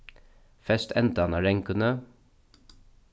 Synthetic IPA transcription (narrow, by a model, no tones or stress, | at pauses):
fɛst̪ɛnt̪əɑnaːɹɛŋkənə